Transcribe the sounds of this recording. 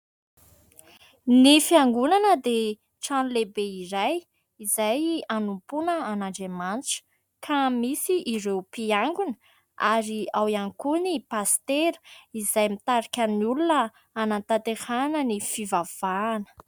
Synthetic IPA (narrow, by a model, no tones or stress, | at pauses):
nifiaŋɡunanəd̪e | ʈ͡ʂanulebeiɾaj | izajanumpunəanaɳɖ͡ʐemant͡sə̥ | kʰamisiʔːɾewpiaŋɡunə | aɾiawiaŋkunipast̪eɾizajmit̪aɾakʲaniulunəː | nant̪at̪ehanənifivav̥aːnə̥